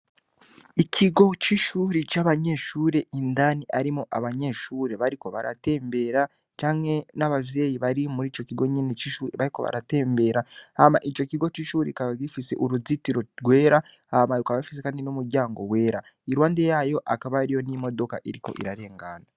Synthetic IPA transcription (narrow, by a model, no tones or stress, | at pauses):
icʰiɡo̞t͡ʃiʃuːɾit͡ʃaβaɲe̞ʃuːɾe̞indaniʔaɾimoʔaβaɲe̞ːʃuːɾe̞βaɾiko̞βa̰ɾʔa̰te̞ːmbe̞ɾa | t͡ʃaːŋhe̞naβavje̞ːjiβaɾimuɾiːt͡ʃo̞ciɡo̞ɲinet͡ʃiʃuːɾeβaɾiko̞βa̰ɾa̰te̞ːmbe̞ɾaama̰ʔit͡ʃo̞ciɡo̞t͡ʃiːʃuːɾekaβaɡifise̞̰ʔuɾuzitiɾo̞ɡwe̞ːɾa | amaɾukaβafisekaːndinumuɾɟaːŋɡo̞we̞ːɾaiɾwaːnde̞jaːjo̞ʔakaβaɾijo̞nimo̞do̞kaʔiɾiko̞̰ʔḭɾaɾe̞ːŋɡaːna